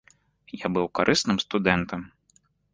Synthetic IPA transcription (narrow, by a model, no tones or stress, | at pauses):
jabɨwkaɾʔɨsnɨmst̪ud̪ɛnt̪ɐm